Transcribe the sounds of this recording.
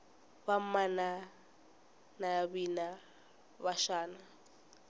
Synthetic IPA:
bam̩mana | nabina | baʃaːna

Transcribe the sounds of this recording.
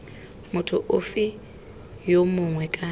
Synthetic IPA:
mʊtʰʊʔʊfɪ | jomʊŋwɛkʼa

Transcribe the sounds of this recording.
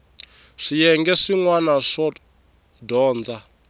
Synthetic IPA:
ʂijɛŋɡɛʂiŋwanaʂɔ | dɔːnd͡za

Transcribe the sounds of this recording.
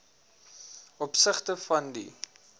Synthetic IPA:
ʔɔpsəχtəfɐndḭ

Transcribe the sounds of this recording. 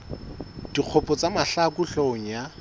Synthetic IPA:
d̥iq͡χʰɔpʼɔt͡samaɬakuɬoŋ̩ja

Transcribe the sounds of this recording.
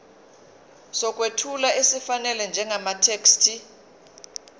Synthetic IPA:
sɔk̬ʼwetʰulaesifanɛlɛnd͡ʒʱɛŋamatʰekstʰi

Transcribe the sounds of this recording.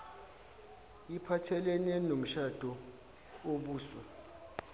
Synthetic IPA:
ipʰatʰɛlɛnɛnom̩ʃad̥ʱɔ | oɓuːswɛ

